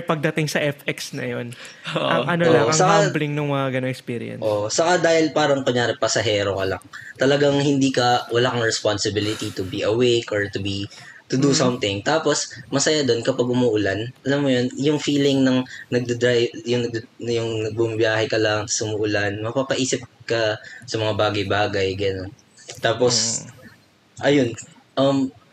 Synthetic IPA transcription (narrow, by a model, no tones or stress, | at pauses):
pɐɡ̚d̪ɐt̪ɪŋsɐʔɛfɛksnɐ̰jonʔɐʔɐnooakŋsɐkablɪŋnʊŋmɐŋɐɡɐnoŋɛkspiːɾɪ̰jɛ̰nʔo̞sɐkad̪aːhɪlpaːɾɐŋkoɲjaːɾɛpɐsɐɦɛːɾo̞kɐlɐ̰ŋt̪ɐlɐɡaŋhɪnd̪iːkɐwɐlaːkɐŋɹɛsponsɪbilɪt̪it̪ʊbiʔɐwejkʔoɹt̪ʊbi | t̪ʊd̪usɐmt̪ɪŋt̪aːpo̞smɐsɐjad̪o̞nkɐpɐɡ̚ʔʊmʊʔʊlanʔɐlɐmːojonjʊŋfiːlɪŋnɐŋnɐɡ̚d̪ɛd̪ɹajbjʊŋnɐɡ̚d̪jʊŋnɐɡ̚buɐmbjaːhɛkɐlaŋsʔʊmuʔʊlanmɐpapɐʔiːsɪp̚kɐsɐmɐŋabaːɡɐjbaːɡɐjɡɐno̞n | t̪aːpos | ʔɐjon | ʔɐm